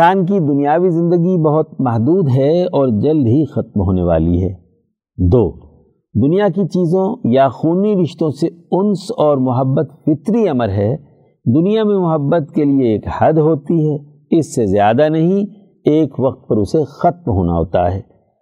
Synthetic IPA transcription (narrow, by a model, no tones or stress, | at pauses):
saːnk̬id̪ʊnijaːʋizɪ̃nd̪əɡibɐɦʊt̪̚mɐɦd̪uːd̪ɦɛɔːɾd͡ʒɐld̪ɦixɐt̪mɦoːneʋa̰ːlḭɦɛ̰ː | d̪oː | d̪ʊnijakit͡ʃiːzõjaxuːniɾɪʃt̪õseʊnsɔːɾmʊɦəbːət̪fɪt̪ɾiɐməɾɦɛː | d̪ʊnijamẽmʊɦəbːət̪kelieːkhɐd̪ɦoːt̪iɦɛː | ɪsːezjaːd̪anɐɦĩ | eːkʋɐq̚t̪̚pɐɾʊsexɐt̪̚mɦo̰ːna̰ɦo̰ːt̪a̰ɦɛ̰ː